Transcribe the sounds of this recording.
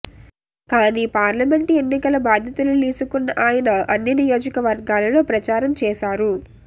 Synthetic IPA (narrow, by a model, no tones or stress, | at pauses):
kaːniːpaːɾlɐme̞ɳʈie̞nːikɐlɐbaːd̪ʱjɐt̪ululiːsukunːɐʔaːjɐnɐʔɐnːinijo̞ːd͡ʒɐkɐʋɐɾɡaːlɐlo̞ːpɾɐt͡ʃaːɾɐmt͡ʃɛːʃaːɾu